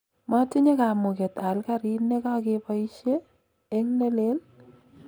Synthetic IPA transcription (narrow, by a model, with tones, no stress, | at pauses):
ma˦tɪ˦ɲe˦ka˨mʊ˨ke˨ta˨lka˦ɾi˦nːe˦ka˦kepa˦iʃeː˦ | ŋnɛ˦le˦l